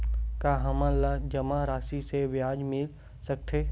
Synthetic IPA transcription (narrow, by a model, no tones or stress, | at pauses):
kaːɦɐmãlad͡ʒɐmãɾaːsiseʋjaːd͡ʒmɪl | sɐk̚t̪ʰeː